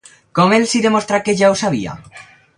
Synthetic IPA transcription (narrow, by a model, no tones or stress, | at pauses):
komelsiðemost̪ɾakeʝaosaβ̞ḭa̰